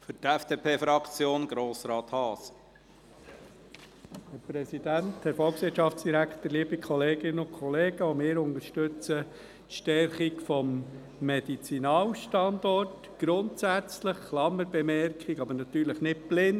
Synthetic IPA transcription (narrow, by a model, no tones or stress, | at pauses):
fʏtɛfd̥eːpʰeːfɾɑkt͡sjoːnɡ̥ɾoːsɾɑːt̪hɑːs | hɛɾpɾɛsidænthɛɾfɔlˠksʋɪʃɑftt͡sd̥iɾækt̪əɾliːəbikʰɔleːɡɪnəʊnkʰχɔleːɡəomɪːɾʊndəʃtʏt͡sə | tʃtɛɾχikfɔmː | edit͡sinɑːlʃtɑndɔrt | ɡ̥ɾʊntsæt͡sləχklɑməɾbɛmɛrkχiɡɑbəɾnɑt̪yːɾləχnɪt̚b̥lɪn